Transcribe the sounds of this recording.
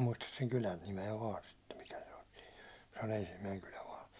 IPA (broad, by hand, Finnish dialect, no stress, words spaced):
muistɑs seŋ kylæn nimeæ ʋɑːn sitːem mikæ se olʲ si̥ːn̥ se on ensimːæiŋ kylæ ʋɑːn̞